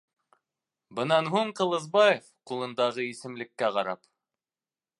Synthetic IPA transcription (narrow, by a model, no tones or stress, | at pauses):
bɤ̆nɑnɦuɴqɤ̆lˠɤ̆zbɑjefqulˠɤ̆nd̪ɑʁɤisɘ̆mlɘ̆kːæqɑɾɑp